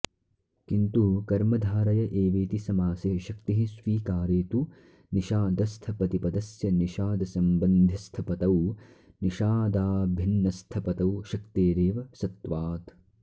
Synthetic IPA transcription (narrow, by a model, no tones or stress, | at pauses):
kint̪ukɐɾmɐd̪ʱaːɾɐjɐʔeːʋeːt̪isɐmaːseːʃɐk̚t̪iɦisʋiːkaːɾeːt̪u | niʃaːd̪ɐst̪ʰɐpɐt̪ipɐd̪ɐsjɐniʃaːd̪ɐsɐmbɐnd̪ʱist̪ʰɐpɐt̪ɐw | niʃaːd̪aːbʱinːɐst̪ʰɐpɐt̪ɐwʃɐkt̪eːɾeːʋɐsɐt̪ʋaːt̪